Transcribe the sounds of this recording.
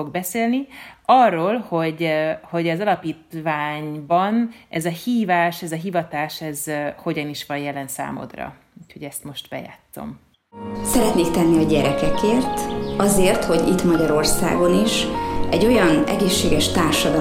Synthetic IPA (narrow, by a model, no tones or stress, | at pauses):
o̞ɡbɛseːlniɒrːoːlho̞ɟho̞ɟɒzɒlɒpiːt̪vaːɲbɒnɛzɒhiːvaːʃɛzɒɦivɒt̪aːʃɛzho̞ɟɒniʃʋɒjjɛlɛnsa̰ːmo̰d̪rɒ̰ | ucho̞ɟɛst̪mo̞ʃt̪bɛ̰ja̰ːt̪ːo̞̰m | sɛɾɛt̪neːkt̪ɛnːiɒɟɛɾɛkɛkeːrt̪ɒzeːrt̪ho̞ɟḭt̪mɒɟɒɾo̞rsa̰ːɡo̞niʃɛɟːo̞jɒnɛɡeːʃːeːɡɛʃt̪aːrʃɒd̪ɒ